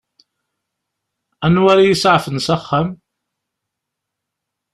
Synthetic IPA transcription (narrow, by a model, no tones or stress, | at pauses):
ænwaɾajəsʕfənsaχːam